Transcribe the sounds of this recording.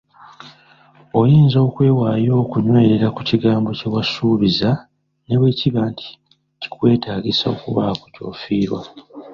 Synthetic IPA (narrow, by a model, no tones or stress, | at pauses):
o̞jiːnzo̞ːkwe̞ːwaːjo̞ːkuɲwe̞ːɾeɾakuciɡaːmbo̞ce̞wasuːβiza | ne̞βwe̞ːciβaːntʰi̥ | ci̥kwe̞ːtaːɡisao̞̰kuβa̰koco̞̰ːfiːɾwa̰